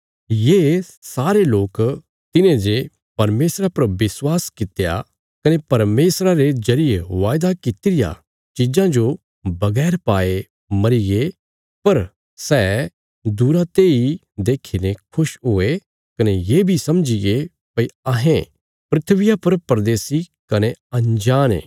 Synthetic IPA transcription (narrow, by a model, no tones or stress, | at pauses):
jeː | saːɾeloːk | t̪ɪnẽd͡ʒe | pɐɾmeːsɾapɐɾʋɪswaːskɪt̪ja̰ | kɐnepɐɾmeːsɾaɾed͡ʒɐɾɪjeʋaːjd̪akɪt̪ɪɾɪja̰ | t͡ʃɪd͡ʒãd͡ʒo | bɐɡɛːɾpaːe | mɐɾiɡe | pɐɾ | sɛː | d̪uːɾat̪eːi | d̪eːkʰinẽkʰʊʃɦoːe | kɐnejeːbʱisɐmd͡ʒɪɡe | pɐiɐɦẽ | pɾɪt̪ʰʋɪjapɐɾpɾɐd̪eːsi | kɐneɐ̃nd͡ʒaːnḛː